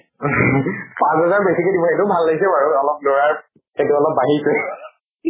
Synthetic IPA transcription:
pãsɦazaɹbesikedibɔetʊbʱalːaɡisɛpaɹuɔlɔp̚lɔɹaɹ | etʊɔlɔp̚baɦiɹsɛ

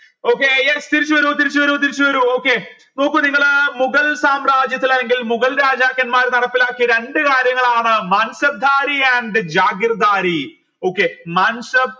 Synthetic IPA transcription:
o̞ːkːeːjest̪iɾit͡ɕːuʋɐɾut̪iɾit͡ɕːuʋɐɾut̪̬iɾit͡ɕːuʋɐɾuo̞ːkːe̞ | no̞ːkːɨniŋːɐɭmuɣɐlsaːmraːd͡ʑjɐt̪ːilɐlːeŋɡilmuɣɐlɾaːd͡ʑaːkjɐnmaːɾt̪ɐɽɐpːilaːkːiɾe̞ɳɖɨkaːɾjɐŋːɐɭaːɳɨmaːnsɐb̚d̪ʱaːɾiɐɳɖɨd͡ʑaːɡirɐd̪aːɾi | o̞ːkːeːmaːnsɐb̚

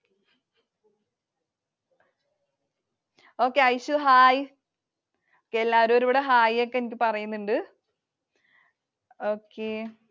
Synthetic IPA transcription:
o̞ːkːeɐjɕuɦaːj | okːeelːaːɐɾumoɾuʋiɽeɦaːjokːeenikʲːɨpɐrɐjunːuɳɖɨ | oːkʰːe

